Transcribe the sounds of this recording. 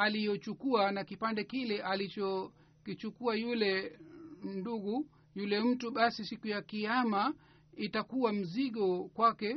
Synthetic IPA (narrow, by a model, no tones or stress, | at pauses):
alijɔt͡ʃukuanakipandɛkilɛʔalit͡ʃɔ | kit͡ʃukuajulɛ | n̩duɣu | julɛm̩tuɓasisikujakiama | itakuwam̩ziɠɔkwakɛ